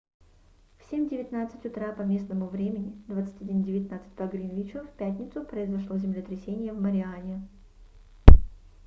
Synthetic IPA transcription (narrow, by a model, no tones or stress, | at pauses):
fsʲemʲdʲɪvʲɪt̪nat̪sɨ̥tʲʊt̪ɾapɐmʲe̞snəmʊvɾʲemʲɪnʲɪd̪vat̪sɨtʲɐdʲindʲɪvʲɪt̪ʲnat̪sɨ̥t̚ʲpɐɡɾʲinvʲit͡ɕʊfpʲæt̪ʲnʲɪt̪sʊpɾəɪzɐʂlˠozʲɪmlʲɪt̪ɾʲɪsʲenʲɪjəvməɾʲɪanʲɪ